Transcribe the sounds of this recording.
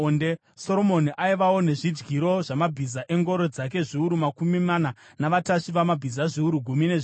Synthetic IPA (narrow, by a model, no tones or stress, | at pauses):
nde | so̞ɾo̞mo̞niʔaiʋawone̞ʐid͡ʒɡiɾo̞ʐamabʱizaʔe̞ŋɡo̞ɾo̞d͡zak̬e̞ʐiuɾumakumimana | naʋataʂiʋamabʱizaʐiuɾuɡʱumine̞ʐ